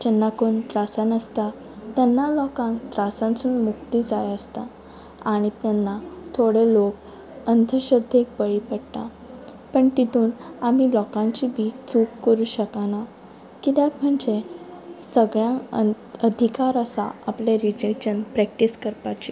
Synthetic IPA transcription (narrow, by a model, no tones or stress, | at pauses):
d͡ʑənːakoɳt̪ɾasanəst̪a | t̪ɛnːalɔkãnt̪ɾasãnt͡suːnmukt̪id͡zajəst̪a̰ | aɽ̃it̪ɛnːat̪ʰoɽelok | ənd̪ʱəɕəd̪ʱek̚bəɭipəɽʈ̪a | pəɳt̪iʈ̪uːnamilɔkãɲt͡ɕibʱit͡sukkəɾuːɕəkana | kit̪jakm̤əɳd͡zesəɡɭjã | əd̪ʱikaɾəsa̰apleɾid͡ʑed͡ʑənpɾɛkʈiskəɾpat͡ɕi